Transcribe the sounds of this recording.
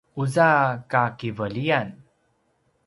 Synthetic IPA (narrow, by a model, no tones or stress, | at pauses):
uzakakivəlijan